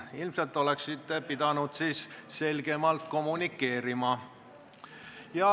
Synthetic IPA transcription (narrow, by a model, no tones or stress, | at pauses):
ilmselt̪ːˑo̞le̞ksit̪ːˑepid̪̥ɑnud̪̥siːsse̞lʲɡ̥e̞mɑlt̪ko̞munikːˑe̞ːɾimɑ | jɑ